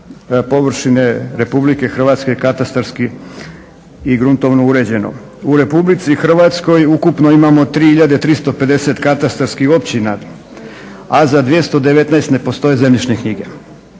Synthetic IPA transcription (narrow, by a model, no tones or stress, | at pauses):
po̞ʋr̩ʃineɾe̞publike̞xr̩ʋat̪ske̞kat̪ast̪aɾski | iɡɾunt̪o̞ʋnouɾe̞d͡ʑe̞no̰ | uɾe̞publit̪sixr̩ʋat̪sko̞jukupnoimamo̞t̪ɾiːhiʎad̪et̪ɾist̪o̞pe̞d̪e̞se̞t̪kat̪ast̪aɾskixo̞pt͡ɕina | azad̪ʋje̞st̪od̪e̞ʋe̞t̪naest̪ne̞po̞st̪o̞je̞zemʎit͡ʃnekɲiɡe̞